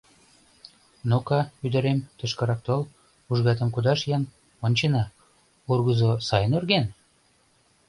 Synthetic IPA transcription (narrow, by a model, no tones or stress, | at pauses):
nokɑyd̪ə̆ɾemt̪ə̆ʃkɤ̆ɾɑk̚t̪ol | uʒɣɑt̪̬ə̆mkud̪ɑʃjɑn | onʲt͡ɕenɑ | urɣəzosɑjənorɣen